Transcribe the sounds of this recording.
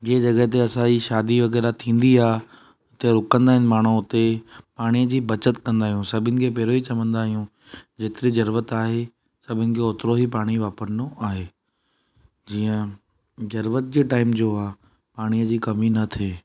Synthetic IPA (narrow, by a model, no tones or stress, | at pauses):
d͡ʑeːd͡ʑɐɡəɦt̪̬eɐsãd͡ʑiːʃaːd̪iʋɐɣɛːɾat̪ʰĩːn̆d̪iaːɦ | ʊt̪eɾʊkə̃nd̪aːɦɪnɪ̆maːɽ̤̃uʊt̪epaːɽ̃ijəd͡ʑiːbɐt͡ɕət̪kɐ̃nd̪aːɦijũsɐbʱɪnɪ̆kʰeːpɛːɾoit͡ɕɐʋə̃nd̪aːɦijũ | d͡ʑeːt̪ɪɾed͡ʑɐɾʋət̪aːɦe | sɐbʱɪnɪ̆kʰeoːt̪ɪɾoɦip̬aːɽ̃iʋaːpəɾnoʔaːɦeː | d͡ʑiːə̃ | zɐɾʋət̪̚d͡ʑeːʈaːɪmd͡ʑoːaːɦ | paːɽ̃ijəd͡ʑiːkɐminɐt̪ʰeː